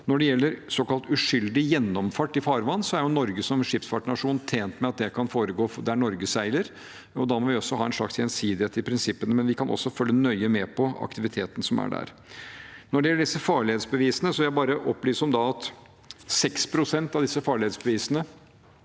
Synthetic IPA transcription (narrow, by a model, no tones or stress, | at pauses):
nɔɖɛjɛlːəɾsɔːkɑlt̪ʉʂʏld̪ɪjɛnːɔmfɑʈːɪfɑːɾʋɑnːsɔæɾjʊnɔɾɡəsɔmʂɪpsfɑʈːɳɑʂuːnt̪ʰeːnt̪mɛɑt̪̚d̪ɛkʰɑnfoːɾəɡoːd̪æɳɔɾɡəsæɪləɾ | ɔd̪ɑmɔʋɪɔsːɔhɑːɛnʂɭɑ̰ksjɛnsiːd̪ɪeːt̪ɪpʰɾɪnsɪpːənəmɛnʋɪkʰɑnʔɔ̰sːɔfœlːənœʏəmɛpʰɔɑ̰kt̪ɪʋɪt̪ʰeːt̪ən̩sɔmæ̰ɖæ̰ɾ | nɔɖɛjɛlːəɖɪsːəfɑːɭɪheːt̪sbəʋiːsənəsɔʋɪjæɪbɑːɾəʔɔpːliːsɔmd̪ɑɑt̪ | sɛkspʰɾʊsɛnt̪ɑʋd̪ɪsːəfɑːɭɪeːt̪sbəʋiːsənə